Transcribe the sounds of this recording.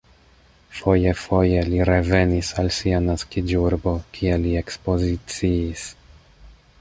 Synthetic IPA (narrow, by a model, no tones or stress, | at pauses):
fo̞jefo̞je̞liɾe̞ve̞nisalsianaskid͡ʒuɾbo̞kʰielie̞kspo̞zit͡siːs